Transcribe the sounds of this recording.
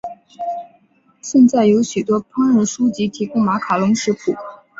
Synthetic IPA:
ɕjɛ˥˧nt͡sa˥˩ɪjo˧˥ʊɕy˨˩t̪wɔ˥pʰa˥ŋɻə˧˥nʂu˥t͡ɕi˧˥t̪ʰi˧˥kʊ˥ŋma˧˥kʰa˨˩lʊ˧˥ŋʂɻ̩˧˥pʰṵ˨˩˦

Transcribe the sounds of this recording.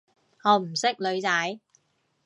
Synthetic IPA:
ŋɔː˨˧m̩˨˩sɪ˥k̚lɵ˨˧ɥt͡sɐ˨˥j

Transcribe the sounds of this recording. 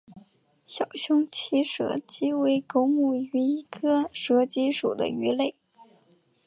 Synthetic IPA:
ɕjɑ˨˩ʊɕjʊ˥ŋt͡ɕʰi˥ʂɤ̰˧˥t͡ɕi˥we˧˥ɪko˥ʊmu˥˩y˧˥i˧˥kʰɤ˥ʂɤ˧˥t͡ɕi˥ʂṵ˨˩d̪ə̰˦y˧˥le˥˩ɪ

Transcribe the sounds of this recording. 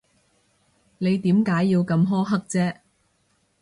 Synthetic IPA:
ne˨˧jt̪iː˨˥mkaː˨˥jːiː˧wkɐ˧mɦɔː˥ɦɐ˥k̚t͡sɛː˥

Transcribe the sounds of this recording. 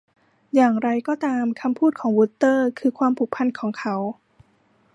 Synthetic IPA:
jaː˨˩ŋɾa˧jkɔː˥˩t̪aː˧mkʰa˧mpʰuː˥˩t̪̚kʰɔː˩˦ŋwuː˦˥t̪ːɤː˥˩kʰɯː˧kʰwaː˧mpʰu˨˩k̚pʰa˧nkʰɔː˩˦ŋkʰa˦˥w

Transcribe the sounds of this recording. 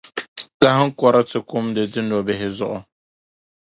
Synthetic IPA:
ka˦hɨ˦ŋ̩˦kɔ˦ɾɨ˦tɨ˨kʊ˦mdɨ˨dɨ˦no˨bɛ˨ɦɪ˦zʊ̰˦ʔʊ˨

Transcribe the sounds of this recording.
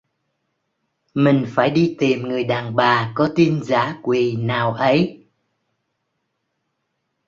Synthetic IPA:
mï˨˩ŋ̟faː˧˩jɗi˧t̪i˨˩mŋɨ˨˩əjɗaː˨˩nɓaː˨˩kɔ˨˦t̪i˧nzaː˧˥˦kwi˨˩naː˨˩wʔə˨˦j

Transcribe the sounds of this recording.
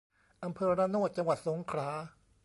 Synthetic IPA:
ʔa˧mpʰɤː˧ɾaː˧noː˥˩t̪̚t͡ɕa˧ŋwa˨˩t̪̚so˩˦ŋkʰɾaː˩˦˥

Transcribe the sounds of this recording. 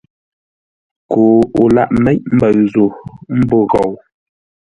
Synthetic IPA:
kʰo˨u˨la̰˦ʔmɛ˦c̚m̩˦bə˨ɰzu˨m̩˦bo˦ɣɔ˨w

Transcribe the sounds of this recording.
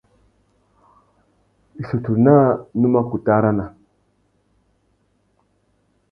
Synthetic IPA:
ɬu˨tu˨ɾna˦nu˦ma˦ku˨ta˦ɾa˦na˨

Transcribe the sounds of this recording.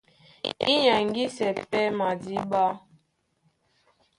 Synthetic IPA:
ḭ˦ɲa˨ŋ˦ɡi˦sɛ˨pɛ˦ma˨di˦ba˦

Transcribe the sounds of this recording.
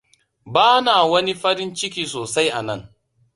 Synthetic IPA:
baː˦naː˨wɐ˦ni˦ɸɐ˦ɾɪ˦nt͡ʃɪ˦k̬ʲiː˨soː˨sa˦jʔa˨nɐ̰˦˨ŋ

